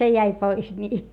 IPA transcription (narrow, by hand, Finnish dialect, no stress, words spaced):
se jæi pois nʲiː